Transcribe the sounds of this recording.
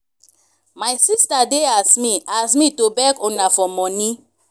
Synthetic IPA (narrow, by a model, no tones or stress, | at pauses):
majsistadeasmiasmitobɛkɔ̃nafɔmɔ̃nĩ